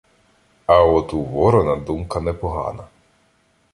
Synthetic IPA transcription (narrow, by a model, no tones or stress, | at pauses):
ɐɔt̪uʋɔɾɔnɐd̪umkɐnɛpɔɦɑ̰nɐ